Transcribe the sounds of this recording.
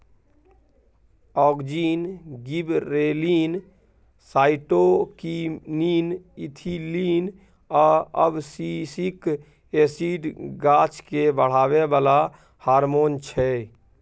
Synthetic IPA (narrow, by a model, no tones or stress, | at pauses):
ɔːɡd͡ʒiːnɡibɾeːliːn | saːɪʈokiniːnit̪ʰiliːn | ɔːəbsisik | eːsiːɖɡaːt͡ʃkebəɽ̤aːʋebaːla | haːɾmoːnt͡ʃʰɛ